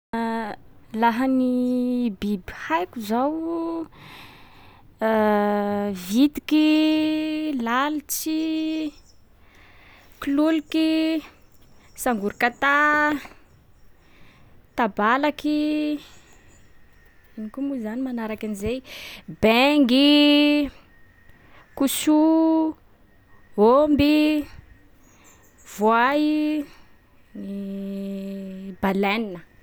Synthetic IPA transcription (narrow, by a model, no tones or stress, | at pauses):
laɦanibibihajkuzaw | vit̪i̥ki | lalit͡si | kluliki | saŋɡuɾikat̪a | t̪abalaki | inikumuzanimanaɾakanizejbeŋɡi | kusu | ɦombi | v̥oai | ni | balɛninə